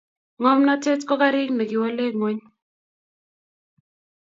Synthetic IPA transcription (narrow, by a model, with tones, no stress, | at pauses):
ŋɔ˦mnɔ˦tɛ˦tkɔ˦ka˦ɾɪ˦knɛ˨kɪ˨wɔ˦le˦ŋo˦ɲ